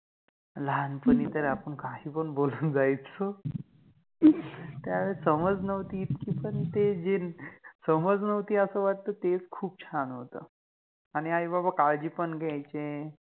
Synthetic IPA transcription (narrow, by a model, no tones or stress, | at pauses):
lanpəniːt̪əɾapəɳkaɦiːpəɳbolund͡zajt̪t͡sə | t̪jaʋeɾsəməd͡znəʋt̪iːt̪kiːpəɳt̪ed͡ʑinsəməd͡znəʋt̪iːəsəːʋaʈ̚t̪əːt̪et͡skʰuːp̚t͡ɕʰanɦot̪ə | aɽ̃iaɦibabakaɭd͡ʑiːpəɳɡajt͡ɕe